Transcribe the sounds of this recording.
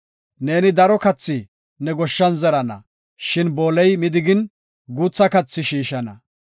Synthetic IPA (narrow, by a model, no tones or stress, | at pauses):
ne̞ːnɪd̪ɐɾɔkɐt͡sːɪ | nɛɡɔʃːɐnzɛɾɐnɐ̰ | ʃɪnbo̞ːlɛjmɪd̪ɪɡɪn | ɡuːt͡sːɐkɐt͡sːɪʃiːʃɐnɐ̰